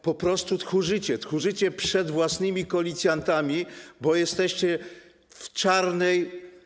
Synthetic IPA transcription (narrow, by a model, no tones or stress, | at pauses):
pɔpɾɔst̪ut̪xuʐɘt͡ɕɛt̪xuʐɘt͡ɕɛpʂɛd̪vwasnɘmʲikɔlʲit̪sʲjant̪amʲibɔjɛst̪ɛɕt͡ɕɛ | ft͡ʂaɾnɛj